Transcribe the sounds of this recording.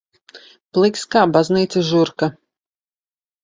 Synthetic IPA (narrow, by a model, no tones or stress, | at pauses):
plˠikskaːbazniːt̪sɨsʒuɾka